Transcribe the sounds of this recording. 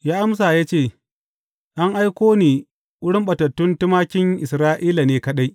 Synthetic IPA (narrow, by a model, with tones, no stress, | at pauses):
jaː˦ʔa˦ms̬aː˨jaː˦t͡ʃeː˦˨ | ʔa˦ŋʔa˦jkʷoː˦niː˨ | ʔʷʊ˦ɽɪ˦mɓɐ˨tɐ˨tːʊ˦ntɪ˦maː˦kʲɪ˦ŋʔɪ˨sɾaː˦ʔiː˦la˨neː˨kɐ˦ɗa˦j